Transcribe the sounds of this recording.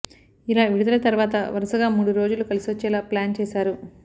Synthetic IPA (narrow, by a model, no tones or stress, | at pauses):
ilaːʋiɽud̪ɐlɐt̪ɐɾʋaːt̪ɐ̰ʋɐɾɐsɐɡaːmuːɽuɾo̞ːd͡ʒulukɐlisiʋɐt͡ʃːɛːlaːplaːnt͡ʃɛːsaːɾu